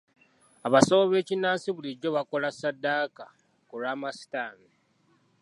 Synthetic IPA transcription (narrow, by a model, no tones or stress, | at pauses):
aβasooβe̞ːcinaːsiβuliɟo̞βako̞lasadːaːka | kuɾaːmasi̥taːn